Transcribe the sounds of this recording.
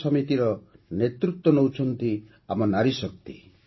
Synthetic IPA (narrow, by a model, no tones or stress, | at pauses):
sɔmit̪iɾɔnet̪ɾut̪ːɔnowut͡ʃʰɔnt̪i | amɔnaɾisɔk̚t̪ḭ